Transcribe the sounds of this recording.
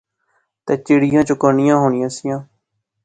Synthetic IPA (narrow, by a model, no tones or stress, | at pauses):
t̪eːt͡ʃeːɽɪjãːt͡ʃʊkaːnɪjãːɦoːnɪjãːsɪjãː